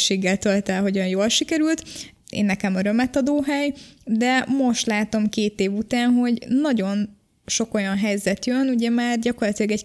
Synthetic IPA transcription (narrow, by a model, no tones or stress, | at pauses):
ʃeːɡːɛlt̪ølt̪ɛlɦo̞ɟɒnjoːlʃikɛɾylt̪ | ḛːnːɛkɛmøɾø̞mɛt̪ɒd̪oːɦɛjd̪ɛmo̞ʃt̪laːt̪o̞mkeːt̪eːvut̪aːnɦo̞ɟnɒɟo̞n | ʃo̞ko̞jɒnɦɛjzɛt̪jønuɟɛmaːrɟɒko̞rlɒt̪ilɒɡɛc